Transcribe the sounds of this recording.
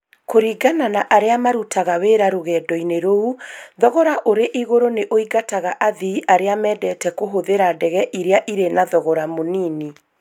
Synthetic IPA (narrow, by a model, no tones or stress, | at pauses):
koɾiɡananaʔaɾeamaɾutʰaɣaweɾaɾoɣɛːdɔineɾouðɔɣɔɾaʔoɾeʔiɣoɾoneʔoiɡataɣaʔaðiiʔaɾeamɛːdɛtɛkoɦoðeɾadɛɣɛʔiɾeaʔiɾenaðɔɣɔɾamoniːni